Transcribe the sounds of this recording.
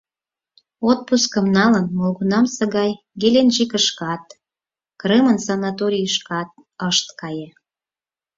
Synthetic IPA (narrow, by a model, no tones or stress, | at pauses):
ot̪̚puskə̆mnɑlənmolɣunɑmsə̆ɣɑj | ɡelenʒikəʃkɑt̪ | kremənsɑnɑt̪oɾʲijəʃkɑt̪̚ | əʃt̪kɑje